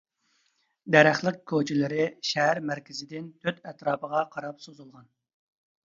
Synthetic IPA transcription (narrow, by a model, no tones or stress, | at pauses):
d̪æɾæχlˠəq̚kʲʰot͡ʃʰilɪɾɪʃɛɦæɾmæɾkʲɪzɪd̪ɪnt̪ʰøt̪ɛt̪ɾɑːpəʁɑqʰɑɾɑpsozulˠʁɑn